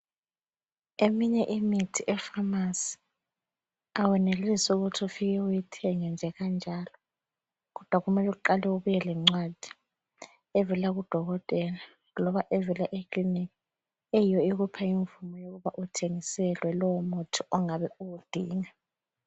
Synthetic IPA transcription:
emiɲɛʔimitʰiʔɛfamasi̥ | awɛnelisuɣutʰufiɣɛujitʰɛŋɛnd͡ʒʱɛɣand͡ʒʱalɔ | ɣɔd̥ʱwaɣumɛlɛuǃalɛuβujɛlɛŋ͡ǀwad̥ʱi̥ | ɛvɛlaɣud̥ʱɔɣɔtʼɛla | lɔβaʔɛvɛlaʔikʰʼlinik | ejijɔiɣupʰaiɱvumɔjoɣuβaʔutʰeŋisɛlwɛlɔwɔmutʰuɔŋaβɛuɣud̥ʱiːŋa

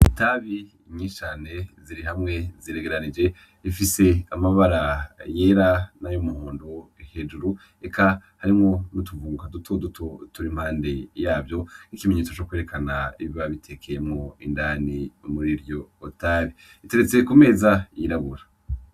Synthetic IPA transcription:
taβi | ɲit͡ʃaːne̞ziɾiɦamŋe̞ziɾe̞ɡe̞ɾanid͡ʒe̞ | ifise̞amaβaɾaje̞ːɾanajumuhoːndohe̞d͡ʒuɾu | ekahaɾimŋo̞nutuvuːŋɡadutʰo̞dutʰo̞tuɾim̥haːnde̞jaːbjo̞nikimeɲeːt͡so̞t͡ʃokweːɾekanaiβiβaβitʰe̞kʰejemŋo̞indaːnimuɾiɾjo̞ːtaːβi | ite̞ɾe̞t͡se̞kume̞ːzaiɾaβuɾa

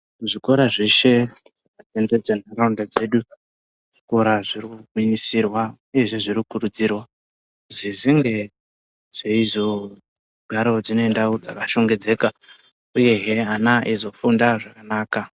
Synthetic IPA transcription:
ʐiko̞ɾaʐe̞ʃe̞ʐaʐatende̞d͡zanaraundad͡ze̞ɗu | ʐ̥iko̞ɾaʐirikuuiɲisirwauje̞ʐe̞ʐirikukurud͡zirwa | uziʐiŋɡe̞ | ʐ̥eizo | ɡʱaɾo̞d͡zino̞endawod͡zakaʃo̞ŋɡe̞d͡ze̞ːka | uje̞ɦeanaʔizo̞fundaʐakanaːka

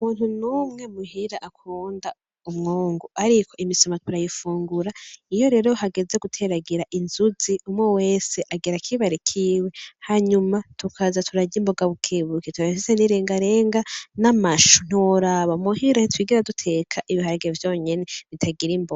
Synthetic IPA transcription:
uumuːnhunuːmŋe̞muhiɾaʔakʰuːnda | umŋoːŋɡuaɾikʰo̞ʔimisomatuɾajifuːŋɡuɾaijo̞ɾe̞ɾohaɡe̞ze̞ɡutʰe̞ɾaɡiɾaʔinzuziumŋewe̞ːseʔaɡiɾakʰiβaɾekʰiːwe̞haɲumatʰukʰazatʰuɾaɟimbo̞ɡaβukʰeːβuketuɾafiseniɾeːŋɡaɾeːŋɡanamaʃu̥n̥iwoɾaβamuɦiɾaitwiːɡiɾadutʰe̞kʰaʔiβihaɾaɡevjo̞ːɲe̞neβitʰaɡiɾimboɡa

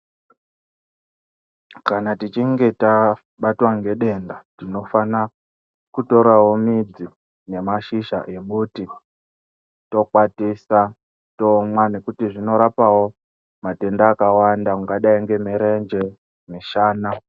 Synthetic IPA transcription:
kanatit͡ʃiŋɡe̞ta | ɓatwaŋɡe̞ɗe̞ndatino̞fana | kuto̞ɾawo̞mid͡zi | ne̞maʃiʃa̰ʔemuti | to̞kwatisa | to̞mwane̞kutiʐino̞ɾapawo̞ | mate̞ndaːkawandauŋɡaɗaiŋɡe̞meɾend͡ʒe | miʃaːna

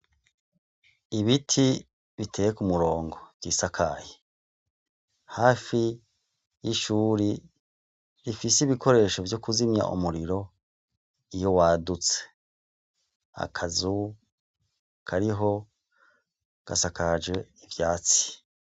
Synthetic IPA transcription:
iβitʰi | βitʰe̞ːjekumuɾo̞ːŋɡo̞vɟ̥iːsakʰaje | haːfi | jiʃuːɾi | ɾifiseiβikʰo̞ɾe̞ːʃo̞vjo̞kuzimɲa̰ʔṵmuɾiɾo̞ | ijo̞waːdut͡se̥ | a̰kʰazu | kʰaɾiɦo̞ | ɡ̥a̰sakad͡ʒwe̞ivjaːt͡si̥

